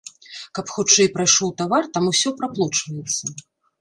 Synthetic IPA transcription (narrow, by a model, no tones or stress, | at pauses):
kɐpxut͡ʂɛjpɾajʂɔwt̪avart̪amusʲɔpɾaplˠɔt͡ʂvɐjɛt̪sːɐ